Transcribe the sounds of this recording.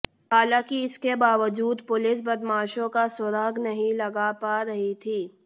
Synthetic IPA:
ɦaːlãːkiɪskebaːʋəd͡ʒuːd̪pʊlɪs̬bɐd̪maːʃõkasʊɾaːɡnɐɦĩlɐɡapaɾɐɦit̪ʰiː

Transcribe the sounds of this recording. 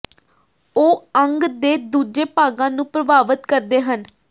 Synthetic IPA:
oːəŋɡd̪eːd̪uːd͡ʒeːpaːɡãːnũːpɾəbaːʋət̪kəɾd̪eːɦən

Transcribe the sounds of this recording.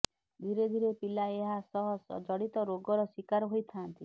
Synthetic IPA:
d̪ʱiɾed̪ʱiɾepilaeɦasɔɦɔsɔ̰d͡ʒɔɽit̪ɔɾoɡɔɾɔswikaɾɔɦojt̪ʰant̪i

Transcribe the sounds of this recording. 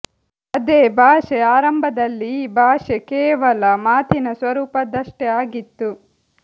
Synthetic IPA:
ɐd̪eːbʱaːʂɛaːɾɐmbʱɐd̪ɐlːibʱaːʂekɛːʋɐlɐmaːt̪ʰinɐsʋɐɾuːpɐd̪ɐʂʈɛaːɡit̪ːu

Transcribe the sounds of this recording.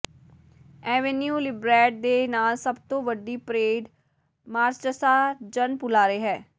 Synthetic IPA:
ɛːʋenjuːlɪbɾɛːʈ̚d̪eːnaːlsəbt̪õːʋəɖiːpɾeːɖ | maːɾst͡ʃəsaːd͡ʒənpʊlaːɾəeːɦɛː

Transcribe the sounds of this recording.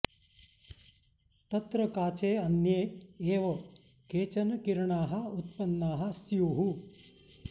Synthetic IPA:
t̪ɐt̪ɾɐkaːt͡ʃeːɐnjeːeːʋɐ | keːt͡ʃɐnɐkiɾɳaːɦɐ̆ut̪pɐnːaːɦɐ̆sjoːɦu

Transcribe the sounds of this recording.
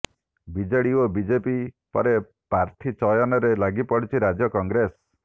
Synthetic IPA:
bid͡ʒaɽiobid͡ʒepi | pɔ̰ɾe | paɾt̪ʰit͡ʃɔjɔnɔɾelaɡipɔɽit͡ʃʰiɾad͡ʒjɔkɔŋɡɾes

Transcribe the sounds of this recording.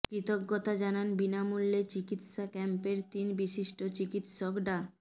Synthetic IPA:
kɾit̪oɡːot̪ad͡ʑananbinamulːet͡ɕikit̪ʃakɛmpeɾt̪inbiʃiʃʈot͡ɕikit̪ʃokɖa

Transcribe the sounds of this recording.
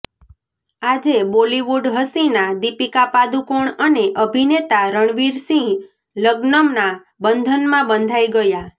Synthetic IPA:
ad͡ʒeboliʋuɖɦəsĩnad̪ipikapad̪ukoɳəneʔəbʱinet̪aɾəɳ̃ʋiɾsĩ | ləɡnəmna | bənd̪ʱənmãbənd̪ʱajɡəja

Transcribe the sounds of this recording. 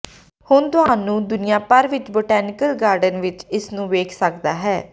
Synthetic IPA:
hʊnt̪ʊɦãːnũːd̪ʊnɪjãːpəɾʋɪt͡ʃboːʈɛːnɪkəlɡaːɾɖənʋɪt͡ʃɪsnũːʋeːkʰsəkd̪aːɦɛː

